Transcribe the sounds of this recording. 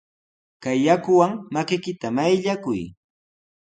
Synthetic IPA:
kajːakʊwaŋmakɪkɪt̪amajʎakʊj

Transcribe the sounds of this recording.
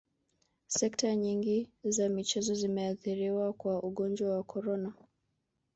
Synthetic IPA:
sɛktaɲiŋɡizamit͡ʃɛzɔzimɛaθiɾiwakwaʔuɠɔnd͡ʒwawakʰɔɾɔna

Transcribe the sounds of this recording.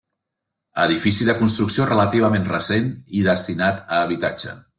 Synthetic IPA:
ə̰ðifisiðəkunst̪ɾuksiorələt̪iβ̞əmenrəseniðəst̪inat̪əːβ̞it̪ad͡ʒə̰

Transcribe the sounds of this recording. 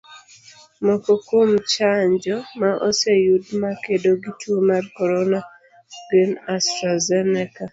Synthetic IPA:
mɔkɔkomt͡ʃaɲd͡ʒɔmaʔɔsejudmakedoɡitomarkɔɾɔna | ɡenastɾazɛnɛka

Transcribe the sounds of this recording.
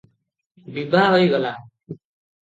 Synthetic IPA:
bibʱaɦojɡʌla

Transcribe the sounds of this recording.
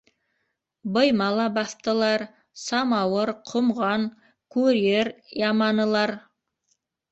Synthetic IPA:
bəjmɑlˠɑbɑθt̪əlˠɑɾ | sɑmɑwəɾqʰʊmʁɑŋ | kʰɵɾeɾjɑmɑnəlˠɑɾ

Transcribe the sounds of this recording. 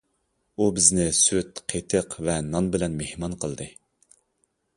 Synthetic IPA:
ubɪznɪsyt̪qʰet̪ʰəqvɛnɑnbɪlɛnmehmɑnqʰəlˠd̪ɨ

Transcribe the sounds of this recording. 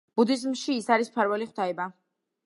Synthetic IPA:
b̥ud̪izmʃiːsaɾispʰaɾvɛliχwd̪aɛba

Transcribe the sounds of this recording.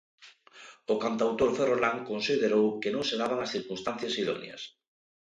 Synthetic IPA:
ʊkant̪awt̪oɾferolaŋkonsiðeɾowkenõŋseðaβaŋasθiɾkunst̪an̟θjɐsiðɔ̰nj̰ɐ̰s

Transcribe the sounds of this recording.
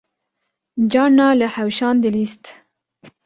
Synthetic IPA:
d͡ʒɑnːɑləhawʃɑnd̪əlist̪

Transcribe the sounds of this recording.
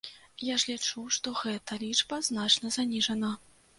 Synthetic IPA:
jaʐlʲit͡ʂuʂt̪ɔɣɛt̪ɐlʲit͡ʂbɐznat͡ʂnɐzanʲiʐɐnɐ

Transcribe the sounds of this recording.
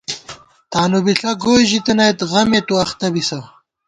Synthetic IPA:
t̪aːnubiɬɐɡoːʑit̪ɐnajt̪ɣɐmet̪uɐxt̪ɐbisɐw

